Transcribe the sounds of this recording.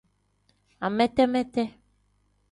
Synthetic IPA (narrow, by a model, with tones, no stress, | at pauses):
a˨mɛ̃˦t̪ɛ˦mɛ̃˦t̪ɛ˦